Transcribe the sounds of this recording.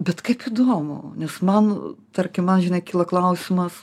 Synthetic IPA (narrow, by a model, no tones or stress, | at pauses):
bʲɛt̪kɐɪpiːd̪oːmʊ̰nʲɛsmɐnt̪ɐɾʲkʲɪmmɐnʒʲɪnɐɪkʲiːlˠɐklˠɐʊsʲɪmɐs